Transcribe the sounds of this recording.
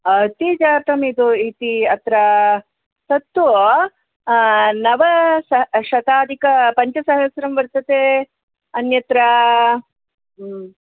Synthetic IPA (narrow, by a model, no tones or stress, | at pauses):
ɐt̪id͡ʒaːt̪ɐmid̪uit̪iɐt̪ɾɐ | sɐt̪ːu | nɐʋɐsɐʃɐt̪aːd̪ʱikɐpɐɲt͡ʃɐsɐɦɐsɾɐmʋɐɾt̪ɐt̪e | ɐnjɐt̪ɾɐ